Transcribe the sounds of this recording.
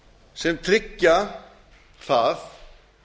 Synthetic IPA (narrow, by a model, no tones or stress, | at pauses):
sɛmt̪ʰɾɪcːa | θaθ